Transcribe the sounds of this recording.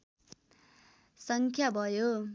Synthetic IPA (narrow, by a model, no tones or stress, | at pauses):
sʌŋkʰjabʱʌjo